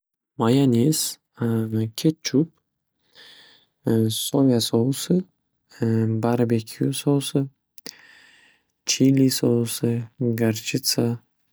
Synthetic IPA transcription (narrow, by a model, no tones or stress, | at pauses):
majanʲis | kʲʰet̪̚t͡ʃʰup̚ | sovʲasosɨ | baɾbekʲʰusosɨ | t͡ʃʰilisowsɨɡaɾt͡ʃit̪sa